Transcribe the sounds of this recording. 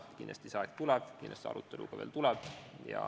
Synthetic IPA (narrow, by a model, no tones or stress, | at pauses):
kinlɑ̰st̪isɑːek̪t̪ulɛb̥kinlɑst̪seɑ̰ɾut̪ːe̞luɡ̥ɑʋeːlt̪ulɛb̥jɑ̰